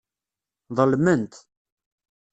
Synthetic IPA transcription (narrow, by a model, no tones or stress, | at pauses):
ðˤəlmənt̪